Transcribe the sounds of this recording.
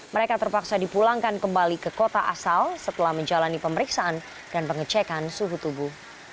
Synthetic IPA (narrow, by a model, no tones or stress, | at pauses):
məɾekat̪ərpaksadipulaŋkankəmbalikəkot̪aʔa̰salsət̪əlahməɲd͡ʒalanipəməɾiksaʔan | d̥anpəŋət͡ʃɛkansuɦut̪ubuh